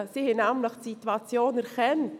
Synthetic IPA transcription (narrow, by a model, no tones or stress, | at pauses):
sihɛnæmləχtsituat͡sjoːnɛɾkɛnt